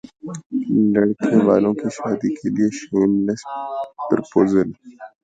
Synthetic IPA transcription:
lɐɽkʰneʋaːlõkiʃaːd̪ikʰelieʃuːnlespɾpoːzəl

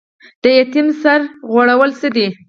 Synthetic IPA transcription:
d̪̥əjat̪imsaɾɣwaɽawəlsəd̪i

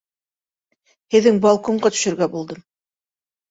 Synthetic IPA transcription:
hɘ̆ðɘŋbɑlˠkoɴɢɑt̪ɵ̥̆ʃɘ̆ɾɡæbulˠd̪ɤm

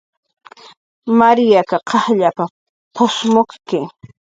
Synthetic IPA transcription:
maɾjakaqʰɑχʎapa | pʰosmoχkɪ

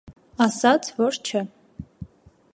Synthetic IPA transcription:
ɑsɑt͡sʰvɔɾt͡ʃʰə

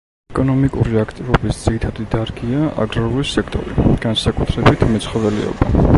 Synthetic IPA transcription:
ɛkʼɔnɔmikʼuɾiakʰt̪ʼivɔbisd̪z̥iɾit̪ʰad̪id̪aɾɡiaa̰ɡɾaulisɛkʰt̪ʼɔ̰ɾḭɡ̥ansakʼut̪ʰɾɛbit̪ʰmɛt̪sʰχɔvɛlɛ̰ɔ̰ba

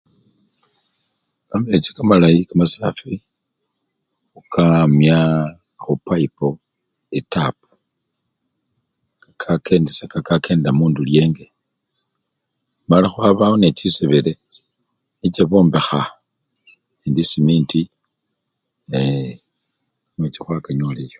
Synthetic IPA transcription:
kamet͡sikamalaikamasaːfi | ukʰamja | xupaipo | etap̚u̥ | kakʰakʰe̞ːndesakakake̞ːnddamuːndulje̞ːŋɡe̞ | malaxwaβaonet͡ʃiseβele | it͡ʃaβo̞ːmbexa | indisimiːnti | e | amwet͡ʃixwakaɲolejo

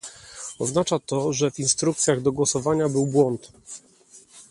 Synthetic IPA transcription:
ɔznat͡ʂat̪ɔʐɛvinst̪ɾuk̚t̪sʲjaɣd̪ɔɡwɔsɔvaɲabɘwbwɔnt̪

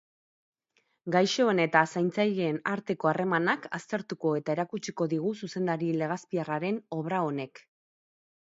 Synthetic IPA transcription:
ɡajʃo̞ene̞t̪asajnt͡sajʎeːnaɾt̪e̞ko̞are̞manakast̪e̞ɾt̪uko̞e̞t̪ae̞ɾakut͡ʃiko̞ðiɣ̞ususe̞nd̪aɾile̞ɣ̞aspiaraɾe̞no̞βɾao̞ne̞k

